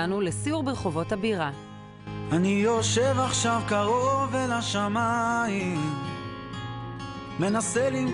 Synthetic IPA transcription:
anulesiuʁbeχo̞vo̞thabiʁa | anijo̞ʃevaχʃavkaʁovelaʃamaim | me̞naselim

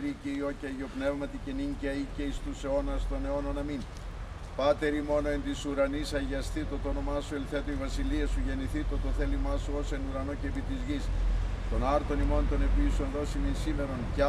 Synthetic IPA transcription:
ɾiceio̞cɐʝo̞pne̞vmɐt̪iceniɲcɐiceist̪useo̞nɐst̪o̞ne̞o̞nɐnɐmin | pɐt̪e̞ɾimo̞no̞ent̪isuɾɐnisɐʝɐst̪it̪ot̪onomɐsuelθet̪oivɐsiliɐsuʝe̞niθit̪ot̪oθe̞limɐsuose̞nuɾɐnocepit̪izʝist̪o̞nɐɾt̪o̞nimo̞nt̪o̞ne̞pisonðo̞simensime̞ɾo̞nc

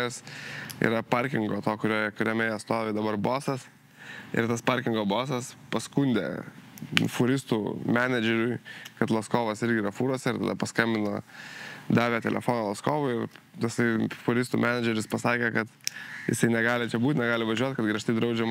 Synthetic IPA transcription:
ɛsḭɾɐpɐɾʲkʲɪŋɡoːt̪oːkʊɾʲoːjɛkʊɾʲɛːmʲɛjɛːt̪st̪oːʋʲeːd̪ɐbɐɾboːsɐs | ɪ̰ɾt̪ɐspɐɾʲkʲɪŋɡoːboːsɐspɐskunʲd̪ʲḛ | fʊɾʲɪst̪uːmʲæːnʲɛd͡ʒʲɛɾʲʊɪkɐt̪lˠɐskoːʋɐsɪɾʲɡʲɪiːɾɐfuːɾoɔsʲɛɪɾt̪ɐ̰d̪ɐpɐskɐmʲbʲɪnoː | d̪ɑːʋʲeːt̪ʲɛ̰lʲɛ̰foːnoːlˠɐskoːʋʊɪɪrjɪsɐɪfʊɾʲɪst̪uːmʲæːnʲɛd͡ʒʲɛɾʲɪspɐsɑːkʲɛːkɐt̪jɪ̰sɐɪnʲɛɡɑːlʲɪt͡ʃʲɛbuːt̪ʲnʲɛɡɑːlʲɪʋɐʒʲuɔt̪ʲkɐt̪ɡɾʲiɐʃt̪ɐɪd̪ɾɐʊd͡ʒʲɛm

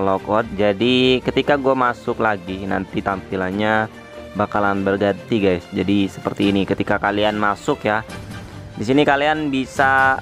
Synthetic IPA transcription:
lɔkɔt̪̚d͡ʒadikət̪ikaɡuamasʊklaɡina̰nt̪it̪ampilanɲa | bakalanbərɡant̪iɡajsd͡ʒadisəpərt̪iːnikət̪ikakalianmasʊkja | disinikalianbisa

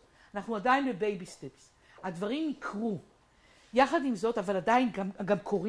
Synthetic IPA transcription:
anaχnuadajinlebe̞jbisteps | had̪vaʁimnikʰʁu | jaχad̪imzo̞tavaladainɡamɡamkʰo̞ʁi

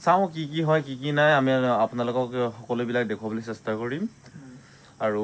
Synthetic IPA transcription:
saʊ̃kikiɦɔjkikinajamiapʊnalʊkɔkxɔkɔlobilak̚dekʰuwabolojsɛstakoɹim | aɹu

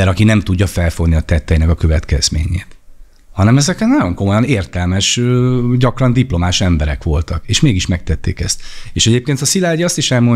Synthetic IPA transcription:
ɛɾɒkinɛmt̪uɟːɒfɛlfo̞ɡniɒt̪ɛt̪ːɛjinɛkɒkøvɛt̪kɛz̥mḛːɲḛːt̪ | hɒnɛmɛzɛkɛnɒjo̞ŋko̞mo̞jɒneːrt̪ɛlmɛʃøɟɒkrɒnd̪iplo̞maːʃɛmbɛɾɛkʋo̞lt̪ɒkeːʃmeːɡiʃmɛk̚t̪ɛt̪ːḛːkɛst̪eːʃɛɟeːpkeːnt̪ɒsilaːɟiɒst̪iʃɛlmo̞ɲ

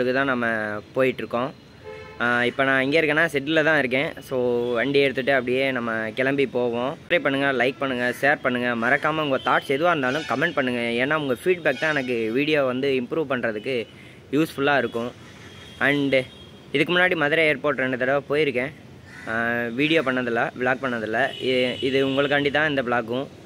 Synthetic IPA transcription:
ɽɯkːɯt̪ãːnɐmːɐpoːjɪʈːɾɯkːõː | ɪpːoːnãːɪŋɡeːɪɾɯkːẽːnːaːsɪʈːɪlɐt̪ãːɪɾɯk̬ːẽːsoːʋɐɳɖiɛɽɯt̪ːɯʈːɯɐpːɐɽɪjeːnɐmːɐkɛlɐmbipoːʋõɾɐpɐɳːɯŋɡɐlɐɪk̚pɐɳːɯŋɡɐseːɾpɐɳːɯŋɡɐmɐɾɐkːaːmɐʊŋɡɐt̪aːʈsɛðɯʋaːɪɾɯnd̪aːlʊ̃kɐmɛɳʈ̚pɐɳːɯŋɡɐeːnːaːɐʋɯŋɡɐfiːɖbɛːk̚t̪ãːɛnɐk̬ːɯʋiːɽɪjoːʋɐnd̪ɯɪmpɾuːʋpɐɳːɾɐðɯkːɯ | juːsfʊlːaːɪɾɯkːʊ̃ | ɐɳɖ | ɪðɯkːɯmʊnːaːɽimɐðɪɾɐeːɾpoːʈɾɛɳɖɯt̪ːɐɽɐʋpoːjɪɾɯkːẽː | ʋiːɽɪjoːpɐɳːɐðɪlːɐʋɪɭaːk̚pɐɳːɐðɪlːɐɪɪðɯʊŋɡɐɭɯkːɐɳɖɪt̪ːãːɪnd̪ɐʋɪɭaːkːʊ̃

